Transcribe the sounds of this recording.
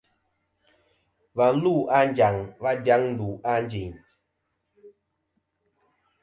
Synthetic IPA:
va˨˦lu˦˨ʔa˦n˦d͡ʒa˨ŋva˦dja˦ŋn̩˦du˨a˦n˦d͡ʒi˨ɲ

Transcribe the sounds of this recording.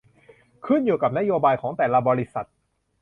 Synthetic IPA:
kʰɯ˥˩njuː˨˩ka˨˩p̚na˦˥joː˧baː˧jkʰɔː˩˦ŋt̪ɛː˨˩laː˧bɔː˧ɾi˦˥sa˨˩t̪̚

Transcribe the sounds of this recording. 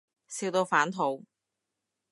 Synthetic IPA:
siː˧wt̪o˧wfaː˨˥nt̪ʰo˨˧˥w

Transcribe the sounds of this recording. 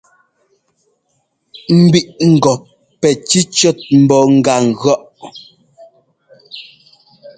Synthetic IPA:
m̩˨bi˨ʔŋ̩˨ɡɔ˨ | pɛ˨t͡ʃi˦t͡ʃɔ˦˨t̚m̩˨bɔ˨ŋ̩˨ɡa˨ŋ̩˨ɣɰɔ˦ʔ

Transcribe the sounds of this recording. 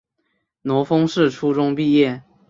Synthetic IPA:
nɔ˧˥fɤ˥ŋʂɻ̩˥˨ʈ͡ʂʰu˥ʈ͡ʂʊ˥ŋpi˥˧jɛ˥˩

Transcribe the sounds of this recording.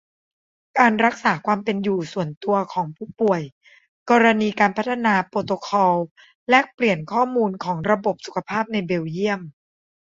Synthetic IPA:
kaː˧nɾa˦˥k̚saː˩˦kʰwaː˧mpe˧njuː˨˩su˨˩ənt̪u˧ɐkʰɔː˩˦ŋpʰuː˥˩pu˨˩əj | kɔː˧ɾa˧niː˧kaː˧npʰa˦˥t̪ʰːa˧naː˧poː˧t̪o˧kʰɔː˧w | lɛ˦˥pli˨˩ənkʰɔː˥˩muː˧nkʰɔː˩˦ŋɾa˧bo˨˩p̚su˨˩kʰa˧˦pʰaː˥˩p̚na˧jbe˧wji˥˩əm

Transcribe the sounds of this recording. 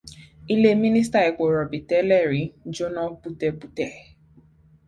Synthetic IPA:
i˦le˦mi˦ni˦s̬ta˦i˨ko˨ɾɔ˨bi˨tɛ˦lɛ˦˨ɾi˨d͡ʒo˦na˦pu˦tɛ˦bu˦tɛ˨

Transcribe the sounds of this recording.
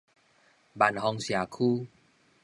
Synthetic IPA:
ba˨˩nɦɔ˧ŋsja˨˩kʰu˦

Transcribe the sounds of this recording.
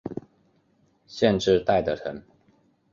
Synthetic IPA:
ɕjɛ˥˧nʈ͡ʂɻ̩˥˧t̪a˥˩ɪt̪ə˨ʈ͡ʂʰə˨˦ŋ

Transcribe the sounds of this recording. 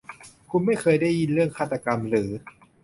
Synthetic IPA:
kʰu˧nma˥˩jkʰɤː˧jda˥˩jːi˧nɾɯ˥˩əŋkʰaː˥˩t̪ːa˧ka˧mɾɯː˩˦

